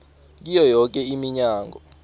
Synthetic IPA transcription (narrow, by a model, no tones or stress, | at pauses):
k̬ijɔjɔk̬ɛimiɲaːŋʱɔ